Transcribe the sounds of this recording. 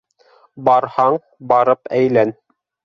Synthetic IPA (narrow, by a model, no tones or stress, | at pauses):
bɑɾhɑɴ | bɑɾɤpæjlæn